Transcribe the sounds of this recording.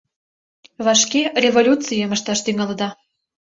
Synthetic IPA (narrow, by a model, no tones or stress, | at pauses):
βɑʃkʲerʲevolʲut͡sɨjəməʃt̪ɑʃt̪yŋɑlɤd̪ɑ